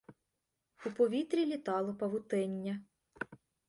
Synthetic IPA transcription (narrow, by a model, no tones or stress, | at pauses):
upɔʋʲit̪ɾʲilʲit̪ɑlˠɔpɐʋʊt̪ɛnʲːɐ